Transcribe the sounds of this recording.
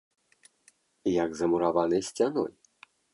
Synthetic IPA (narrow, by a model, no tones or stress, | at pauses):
jaɡzɐmuɾavanɨjsʲt͡sʲanɔ̰j